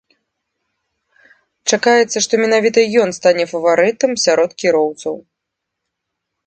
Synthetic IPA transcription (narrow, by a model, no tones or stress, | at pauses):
t͡ʂakajɛt̪sːɐʂt̪ɔmʲɛnavʲit̪ɐjɔnst̪anʲɛfɐvaɾɨt̪ɐmsʲaɾɔt̪kʲiɾɔwt̪sɐw